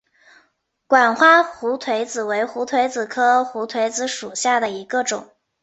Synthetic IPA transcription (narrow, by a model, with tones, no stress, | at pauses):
kwa˨˩nxwa˥xu˧˥t̪ʰwe˧˥ɪt͡sɹ̩˨˩we˧˥ɪxu˧˥t̪ʰwe˧˥ɪt͡sɹ̩˨˩kʰɤ˥xu˧˥t̪ʰwe˧˥ɪt͡sɹ̩˧˩ʂu˨˩ɕja˥˩d̪ə˩i˧˥ɡə˧ʈ͡ʂʊ̰˨˩˦ŋ